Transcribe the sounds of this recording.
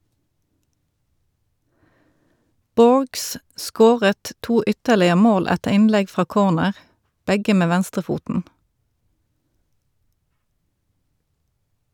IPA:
ˈboːɹɡs ˈʔskoːʁət ˈtuː ˈʏtəʁlɪə ˈmoːl ˈætəʁ ˈɪnˌlɛɡ ˈfʁɑː ˈkoːʁnəʁ ˈbɛɡə ˈmeː ˈʋænstʁəˌfuːtn̩

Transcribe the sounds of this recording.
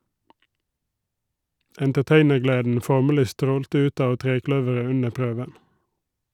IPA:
ɛntəˈteɪnəʁˌɡleːdn̩ ˈfɔʁməlɪ ˈstɾoːltə ˈʉːt ˈɑːʋ ˈtʁeːˌklœʋəʁə ˈʉnə ˈpɾøːʋən

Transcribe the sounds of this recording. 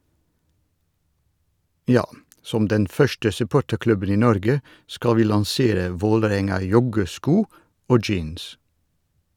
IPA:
ˈjɑː ˈsɔm ˈdɛn ˈfœʃtə sʉˈpoːʈəɾˌklʉbən ˈiː ˈnɔɾɡə ˈskɑl ˈʋiː lɑŋˈseːɾə ˈʋoːləˌɾɛŋɑˌjɔɡəˌskuː ˈoː ˈd͡ʒiːns

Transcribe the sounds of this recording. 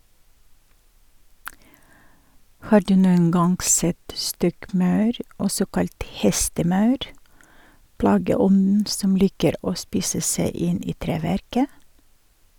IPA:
ˈhɑːɾ ˈdʉː ˈnuːən ˈɡɑŋɡ ˈsɛt ˈstɔkˌmɑʉɾ ˈɔsɔ ˈkɑlt ˈhɛstəˌmɑʉɾ ˈplɑːɡəˌɔnn̩ ˈsɔm ˈliːkəɾ ˈoː ˈspiːsə ˈsæɪ ˈɪn ˈiː ˈtɾeːʋæɾkə

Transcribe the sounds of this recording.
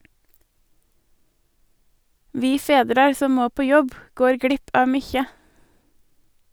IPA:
ˈʋiː ˈfeːdɾɑɾ ˈsɔm ˈmoː ˈpoː ˈjɔb ˈɡoːɾ ˈɡɽɪp ˈɑː ˈmyːçə

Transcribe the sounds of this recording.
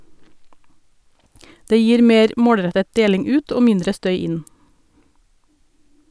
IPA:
ˈdeː ˈjiːɾ ˈmeːɾ ˈmoːɽˌɾɛtət ˈdeːlɪŋ ˈʉːt ˈoː ˈmɪndɾə ˈstœʏ ˈɪn

